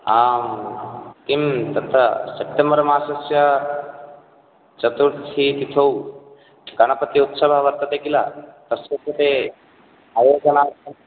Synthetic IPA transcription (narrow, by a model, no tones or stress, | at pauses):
aːm | t̪imt̪ɐt̪ʰɐ̰sep̚ʈembɐɾɐmaːsɐsjɐ | t͡ʃɐt̪uɾt̪t̪ʰit̪it̪ʰow | kɐnɐpɐt̪iut̪sɐbʱɐʋɐɾt̪ɐt̪eːkila̰t̪ɐsʋɐt̪ːɐt̪e | ɐjoɡɐnaːɐ